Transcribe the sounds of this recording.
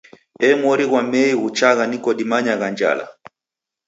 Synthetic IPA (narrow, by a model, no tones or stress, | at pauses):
ɛmɔɾiɣwamɛiɣut͡ʃaɣanikɔɗimaɲaɣand͡ʒa̰la̰